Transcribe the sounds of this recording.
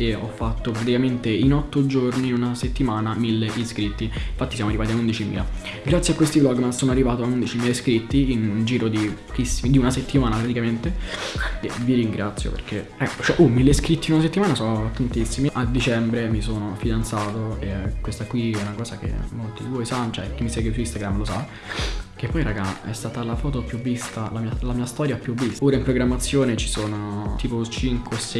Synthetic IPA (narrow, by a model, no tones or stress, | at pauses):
eɔfːat̪ːopɾat̪̬ikament̪einɔt̪ːod͡ʒorniunaset̪ːimaːnamilːeʔiskɾit̪ːiinfat̪ːisjamoarːivaːt̪iaund̪it͡ʃimḭːla | ɡɾat̪sjakwest̪iblɔɡːmasoːnoarːivaːt̪oaund̪it͡ʃimiːlaiskɾit̪ːiind͡ʒiːɾod̪ipo̥k̟isːimid̪iunaset̪ːimaːnapɾat̪ikament̪e | eviɾiŋɡɾat̪sjo̰pḛrkeɛkːot͡ʃɛʔumileskɾit̪ːiunas̬et̪ːimaːnasɔt̪ant̪isːimiʔad̪ːit͡ʃɛmbɾemisoːnofid̪ant̪saːt̪oekwest̪akwiɛunakɔːszak̟ḛmːolt̪id̪ivojsanːot͡ʃɛkːimːisɛːɡwesuist̪aɡɾamlosa | k̟epːɔjɾaɡaɛ̰st̪aːt̪alafɔːt̪opjuvːist̪alamiːalamiːast̪ɔːɾjapjuvːist̪oːɾaimpɾoɡɾamːat̪sːjoːnet͡ʃisoːnot̪iːpot͡ʃiŋkwesɛ